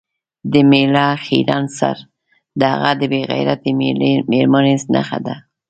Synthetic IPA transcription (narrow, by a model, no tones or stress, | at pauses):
d̪əmelɑxḭɾɑnsa̰ɾ | d̪əha̰ɣad̪əbeɣa̰jɾat̪emeɾmanesna̰xa̰d̪a